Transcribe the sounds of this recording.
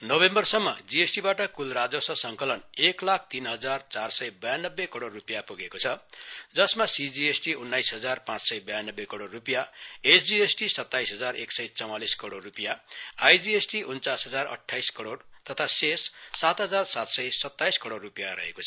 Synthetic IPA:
nʌbembʌrsʌmːʌ̰d͡ziesʈibaʈʌkulrad͡zosʌsʌŋkʌlʌneklak̚ʰt̪inɦʌd͡zart͡sarsʌjbʌjanːʌbːekʌɽorːupijapuɡekot͡sʰʌd͡zʌsmasid͡ziesʈiunːajsɦʌd͡zarpãt͡ssʌjbʌjanːʌbːekʌɽorːupijaesʰd͡ziesʈisʌt̪ːajsɦʌd͡zareksʌjt͡sʌw̃aliskʌɽorːupijaajd͡ziesʈiʔunt͡sasɦʌd͡zarʌ̰ʈʰːajskʌɽort̪ʌt̪ʰasesːat̪ɦʌd͡zarsat̪sʌjsʌt̪ːajskʌɾorːupijaɾʌ̰ɦḛkot͡sʰ

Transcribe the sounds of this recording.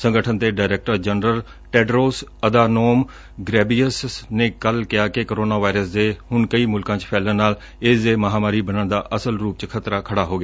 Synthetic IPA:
sə̃ŋɡəʈʰənd̪eːɖaːɪɾɛːk̚ʈəɾd͡ʒənɾəl | ʈɛːɖɾoːsəd̪aːnoːm | ɡɾɛːbiəsnẽːkəlkɪjaːkekoɾoːnaːʋaːɪɾəsd̪eːɦʊɳkəiːmʊlkãːt͡ʃpʰɛːlənaːl | ɪsd̪eːməɦaːmaːɾiːbənãːd̪a̰ːʔəsəlɾuːp̚t͡ʃkʰət̪ɾaːkʰəɽaːɦoːɡɪaː

